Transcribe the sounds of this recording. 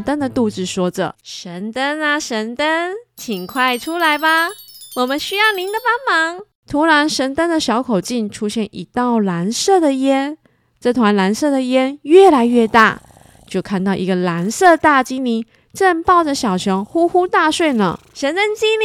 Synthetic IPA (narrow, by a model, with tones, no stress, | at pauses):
t̪ə˥nd̪ə˨t̪u˥˧ʈ͡ʂɻ̩˥˩ʂwɔ˥ʈ͡ʂə̰˨˩ʂə˧˥nt̪ə˥na˨ʂə˧˥nt̪ə˥nt͡ɕʰi˨˩ŋkʰwa˥˩ɪʈ͡ʂʰu˥la˧˥ɪba˨wɔ˨˩mə˧˦nɕy˥jɑ˥˩ʊli˧˥ŋd̪ə˨pɑ˥ŋmɑ˧˥ŋ | t̪ʰu˧˥la˧˥nʂə˧˥nt̪ə˥nd̪ə˨ɕjɑ˧˥ʊkʰo˨˩ʊt͡ɕi˥˩nʈ͡ʂʰu˥ɕjɛ˥˩nʔḭ˨˩t̪ɑ˥˩ʊla˧˥nsɤ˥˩d̪ə˩jɛ˥n | ʈ͡ʂɤ˥˩t̪ʰwa˧˥nla˧˥nsɤ˥˩d̪ə˩jɛ˥nɥɛ˥˩la˧˥ɪɥɛ˥˧t̪a̰˥˩ | t͡ɕjo˥˧ʊkʰa˥˧nt̪ɑ˥˩ʊʔi˧˥ɡə˧la˧˥nsɤ˥˧t̪a˥˧t͡ɕi˥nli˧˥˦ | ʈ͡ʂə˥˧npɑ˥˩ʊʈ͡ʂə˨˩ɕjɑ˨˩ʊʈ͡ʂʰɤ˧˥ŋxu˥xu˥t̪a˥˧ʂwe˥˩ɪnə̰˩ | ʂə˧˥nt̪ə˥nt͡ɕi˥ni˥